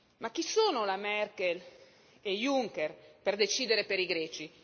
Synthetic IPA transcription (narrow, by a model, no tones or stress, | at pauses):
makːisoːnolamɛrkel | ejuŋkerperd̪et͡ʃiːd̪eɾepeɾiɡɾɛːt͡ʃi